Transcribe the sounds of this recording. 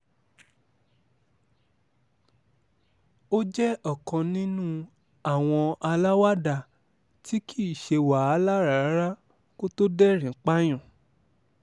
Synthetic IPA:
o˦d͡ʒɛ˦ɔ˦˨kɔ̃˧nĩ˦nũ˦ | a˦˨w̃ɔ̃˧a˧la˦wa˦da˧˨ | tʰi˦kʰi˦˨ʃe˧wa˨a˦la˦ɾa˨˦ɾa˦ | ko˦to˦dɛ˦ɾ̃ĩ˨˦k͡pa˦j̃ɔ̃˦˨

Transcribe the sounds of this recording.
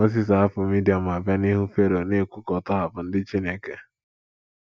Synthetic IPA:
mo˦s̬i˦˨s̬a˨˦a˦fʊ˨mi˦di˨a˨m̩˨a˨bja˦ni˦ɦu˦fe˦ɾo˨ne˦˨kʷu˦kɔ˨tɔ˦ɦa˨pʊ˨n̩˦dɪ˦t͡ʃi˦ne˦ke˨

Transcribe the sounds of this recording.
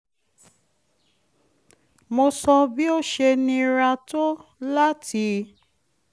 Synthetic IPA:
mo˧sɔ˧bi˦o˦ʃe˧nĩ˧ɾa˧to˦la˦tʰi˧˦

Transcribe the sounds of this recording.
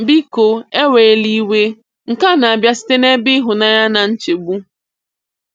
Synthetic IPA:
bi˦ko˨e˦we˨e˦li˦we˦ | ŋ̩˨ka˦na˨a˨bja˦si̥˦te˦ne˦bɪ˦ɦʊ˨na˦ja˦na˨n̩˦t͡ʃe˨ɡ͡bu˦

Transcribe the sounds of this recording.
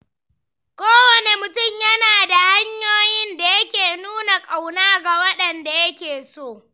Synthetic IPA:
kʷoː˦wɐ˨ne˨mʊ˨tʊ˦˨mjɐ˦naː˨da˨ha˦ɲjoː˦jɪ˦nda˨jɐ˦kʲeː˨nuː˦na˨kʼa˨wnaː˦ɡa˨wɐ˦ɗɐ˨nda˨jɐ˦kʲeː˨soː˦˨

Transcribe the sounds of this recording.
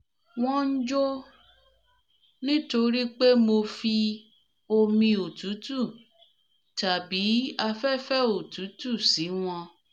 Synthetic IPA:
w̃ɔ̃˦n̩˦d͡ʒo˦ | nĩ˦to˧ɾi˦k͡pe˦mo˧fi˧ | o˧mĩ˧o˨tu˨˦tu˦˨ | ta˨bi˨˦a˧fɛ˦fɛ˦o˨tu˨˦tu˦˨si˨˦w̃ɔ̃˧

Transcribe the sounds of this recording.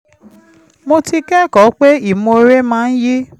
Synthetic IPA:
mo˧ti˧kɛ˦˨kɔ˨˦k͡pe˦i˦˨mo˧ɾe˦mãː˦n̩˦ji˦

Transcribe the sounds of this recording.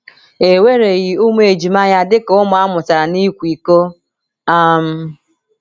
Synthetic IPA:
e˨we˦ɾe˨ɣi˨u˦m˦e˨d͡ʒi˨ma˦ja˦dɪ˦kʊ˦mʊ˨˦a˦mʊ˨ta˨ɾa˨ni˦kʷi˨ko˦ | a˦m̩˦

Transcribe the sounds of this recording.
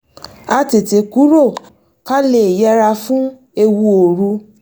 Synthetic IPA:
a˧te˨te˨ku˨˦ɾo˦˨ | ka˦le˦˨jɛ˦ɾa˧fũ˦ | e˧wu˧o˨ɾu˧

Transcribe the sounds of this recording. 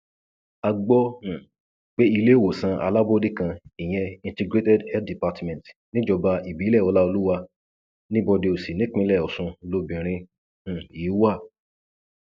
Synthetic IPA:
a˧ɡ͡bɔ˦ũ˨ | k͡pe˦i˧le˦˨wo˨sã˧ʔa̰˧la˦bo˦di˦kã˧i˨j̃ɛ̃˧ĩ˧ntɛ˧ɡɾe˦tɛ˦dhɛ˦di˨pa˧tmɛ̃˨tnĩ˦d͡ʒɔ˧ba˧i˨bi˨˦lɛ˦˨ɔ˧la˦o˧lu˦wa˧ | nĩ˦bɔ˧de˧o˨si˨nĩ˦k͡pĩ˧˦lɛ˦˨ɔ˨sũ˧lo˨˧bĩ˨ɾ̃ĩ˧˨ | iː˨˦wa˦˨

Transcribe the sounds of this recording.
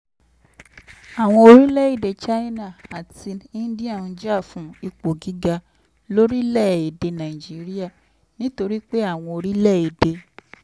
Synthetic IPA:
a˨w̃ɔ̃˧o˧ɾi˦lɛ˦˨i˦˨de˨t͡ʃa˦i˦nã˦˨a˨ti˧ĩ˦dĩ˦a˦˨ũ˧d͡ʒi˦a˦˨fũ˨˦i˧k͡po˨ɡi˨˦ɡa˧ | lo˦ɾi˦lɛ˦˨i˨de˧nã˨i˨d͡ʒi˨˦ɾi˦a˦˨ | nĩ˦to˧ɾi˦k͡pe˦a˦˨w̃ɔ̃˧o˧ɾi˦lɛ˦˨i˨de˧

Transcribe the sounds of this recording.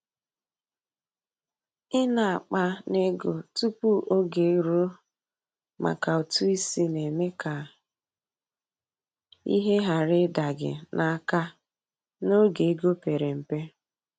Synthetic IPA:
ɪ˦na˨a˨k͡pa˦ne˦ɡo˨tu˦pu˦ʔo˦ɡe˨˦ɾo˦ | ma̰˨ka˨o˨tu˦i˦si˦ne˨me˦ka˨ | ḭ˦ɦe˦ɦa˨ɾɪ˦da˨ɡɪ̰˨nʔa˨a˦ka˦ | no˦ɡe˨˦ɡo˦pe˨ɾe˨m̩˨pe˦

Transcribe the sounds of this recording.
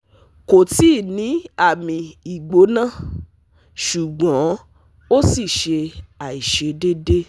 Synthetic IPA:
ko˨ti˦˨nĩ˨˦a˦˨mĩ˧i˨ɡ͡bo˨˦nã˦˨ | ʃu˨ɡ͡bɔ̃˨˦ | o˦si˦˨ʃe˧a˨i˨ʃe˧de˦de˦

